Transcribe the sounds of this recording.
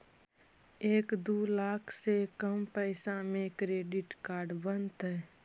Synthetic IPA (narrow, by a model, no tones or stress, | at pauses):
eːkd̪uːlaːkʰsekəmpɛɪsãmẽkɾeːɖɪʈkaːɾɖbənt̪ɦɛː